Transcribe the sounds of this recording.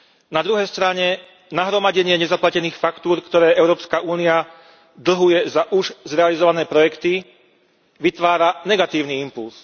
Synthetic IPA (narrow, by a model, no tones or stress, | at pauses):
nad̪ɾuɦɛjst̪ɾaɲɛ | naɦɾɔmaɟɛɲɪɛɲɛzaplacɛniːxfakt̪uːɾkt̪ɔɾɛːʔɛʊɾɔːpskaʔuːnia | d̪l̩ɦujɛzaʔuʒzɾɛalizɔʋanɛːpɾɔjɛkt̪i | ʋit̪ʋaːɾanɛɡat̪iːʊniimpuls